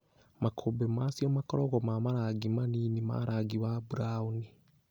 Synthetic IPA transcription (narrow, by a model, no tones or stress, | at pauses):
makʰobemasijomakɔɾɔɣɔmamaɾaɡimaninima̰ɾʔaɡiwabuɾauni